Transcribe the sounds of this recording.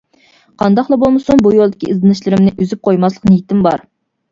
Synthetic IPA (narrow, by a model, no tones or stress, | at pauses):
qʰɑnd̪ɑχlˠɑbolˠmɨsuŋbujolˠd̪ɪkʲʰiʔizɨnɨʃlˠɨɾɪmnɪʔyzyp̚qʰojmɑslˠəqnɨjit̪ɪmbɑɾ